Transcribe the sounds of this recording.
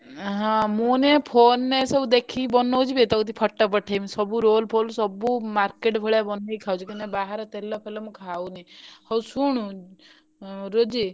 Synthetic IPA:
ɦɔ̃munepʰonːesɔbud̪ekʰibɔnɔwt͡ʃʰibet̪ɔkut̪̬ipʰɔʈːɔpɔʈʰemisɔbuɾolpʰolsɔbumaɾkeʈbʱɔɭabɔnːeikʰawt͡ʃʰikinebaɦaɾɔt̪elɔpʰelɔmũkʰawnehɔwsuɽ̃ũ | ɾod͡ʒi

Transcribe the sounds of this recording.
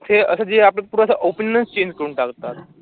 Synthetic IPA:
t̪ʰeəsəd͡zeapləpuɾasaʔopənːənst͡ɕẽɲd͡ʑkəɾuːnʈakt̪at̪

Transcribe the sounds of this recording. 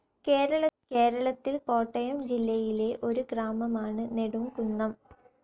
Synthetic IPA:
keːɾɐɭɐkeːɾɐɭɐt̪ːilko̞ːʈːɐjɐmd͡ʑilːɐjile̞ʔo̞ɾuɡraːmɐmaːɳɨne̞ɽumkunːɐm

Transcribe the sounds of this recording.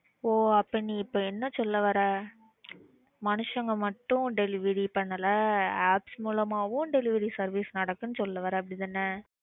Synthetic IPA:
oːɐpːɐniːɪpːoːɛnːɐsɔlːɐʋɐɾɐ | mɐnɯʂɐŋɡɐmɐʈːʊ̃ɖɛlɪʋɪɾipɐɳːɐlɐaːpsmuːlɐmaːʋʊ̃ɖɛlɪʋɪɾisɐɾʋiːsnɐɽɐkːɯnɯsɔlːɐʋɐɾɐɐp̬ːɽɪðɐnːɐ

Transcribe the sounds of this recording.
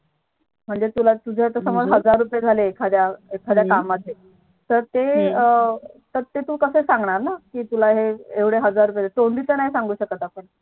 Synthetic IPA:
m̤əɳd͡zet̪ulat̪ud͡ʑʱet̪əsəməd͡zɦəd͡zaɾːupjed͡zʱaleːkʰad̪jaekʰad̪jakamːəd̪ʱe | t̪əɾt̪eət̪əɾt̪et̪uːkəsesaŋɡɳaɾnakiːt̪ulaɦeeʋɽeɦəd͡zaɾup̬jed͡zaet̪ond̪it͡s̪ənaɦisãŋɡuːɕəkət̪apəɳ

